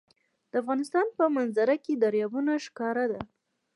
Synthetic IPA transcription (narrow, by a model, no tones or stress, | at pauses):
d̪̥əafɣɑnɪst̪ɑnpəmanzaɾaked̪aɾjɑbunaʂkɑɾad̪a